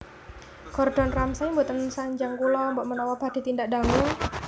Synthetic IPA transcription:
kɔrd̥ɔ̤nramsaimbot̪ənsaɲd͡ʒaŋkulɔmbɔʔmənɔwɔb̥a̤d̪̥i̤t̪ind̪aʔd̥aŋuŋ

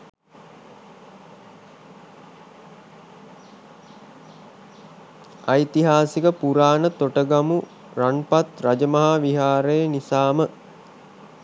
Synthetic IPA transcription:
ajt̪iɦaːsikəpuɾaːnət̪oʈəɡamu | ɾanpat̪rad͡ʒəmɐɦaːʋiɦaːɾəjənisaːmə

